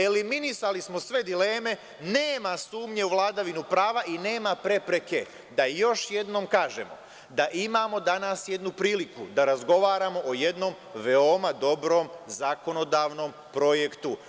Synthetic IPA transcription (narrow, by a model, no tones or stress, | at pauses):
e̞liminisalismo̞sʋe̞d̪ile̞ːme̞ | neːmasuːmɲe̞uʋlˠaːd̪aʋinupɾaːʋaʔine̞ːmapɾe̞pɾe̞ke̞ | d̪ajo̞ʃje̞d̪no̞mkaːʒe̞̰mo̞̰ | d̪aʔimaːmo̞d̪anasje̞d̪nupɾiːlikud̪aɾazɡo̞ʋaːɾamo̞ʔoje̞d̪no̞m | ʋeomad̪o̞bɾo̞ːmzako̞no̞d̪aːʋno̞m | pɾo̞jekt̪u